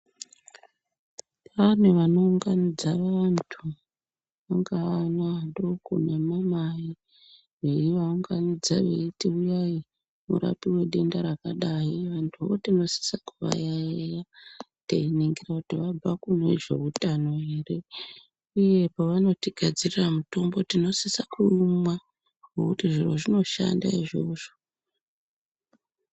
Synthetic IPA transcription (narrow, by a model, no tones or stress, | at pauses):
ʋaneʋano̞uŋɡanid͡zaʋantʰu | ʋaŋɡaːnandokṵnamamai | ɦeiʋauŋɡanid͡zaʋḛitiujai | mṵɾa̰piwe̞ɗe̞ndaɾakaɗaɦiʋantʰuʋo̰tino̞si̥sakuʋa̰jaja | teineŋɡirakutiʋab͡vakunḛʐe̞̰utano̞ɦeːre̞ | uje̞paʋano̞tiɡʱad͡ziriramuto̞mbo̞tino̞sisakumwa | okutiʐiro̞̰ʐino̞ʃa̰nda̰iʐo̞ʐo̞